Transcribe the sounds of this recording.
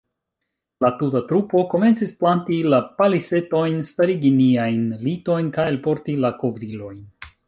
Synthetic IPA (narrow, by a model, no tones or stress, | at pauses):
latutatɾupo̞ko̞me̞nt͡sisplantilapalise̞to̞jnstaɾiɡiniajnlito̞jnkajelpo̞ɾtilako̞vɾilo̞jn